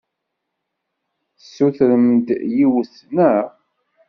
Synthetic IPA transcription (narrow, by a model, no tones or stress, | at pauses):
sːuθɾəmd̪jiwəθ | næ